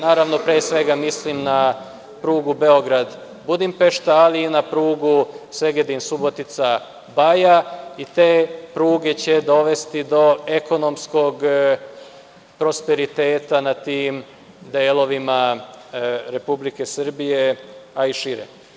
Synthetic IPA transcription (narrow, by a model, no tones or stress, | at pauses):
naːɾaʋno̞pɾeːsʋe̞ɡamislimna | pɾuːɡube̞o̞ɡɾad̪ | bud̪impe̞ʃt̪aːliːnapɾuːɡusʋe̞ɡed̪insubo̞t̪it̪sa | bajait̪e̞ːpɾuːɡe̞t͡ɕed̪o̞ʋe̞st̪id̪o̞e̞ko̞no̞msko̞ɡ | pɾo̞spe̞ɾit̪e̞ːt̪anat̪iːm | d̪eːlo̞ʋima | ɾe̞publike̞sr̩bije̞aiʃiɾḛ